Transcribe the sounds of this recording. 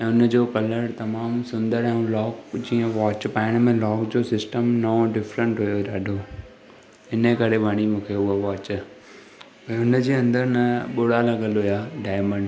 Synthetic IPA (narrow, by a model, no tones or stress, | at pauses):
ɛ̃ːʊnəd͡ʑoːkɐləɽt̪ɐmaːmsʊ̃nd̪əɾɛ̃ːũlɔːkd͡ʑĩːə̃ʋɔːt͡ɕpaːɪɽ̃mẽlɔːkd͡ʑoːsɪsʈəmnɐoɖɪfɾə̃ɳʈɦʊjoɗaːɖʱo | ɪnəkɐɾebʱɐɽ̃imũːkʰeʊɦaʋaːt͡ɕ | ɛ̃ːʊnə̆d͡ʑiːɐ̃nd̪əɾnɐɓʊɽalɐɡəlojaːɖaːɪmə̃ɳɖ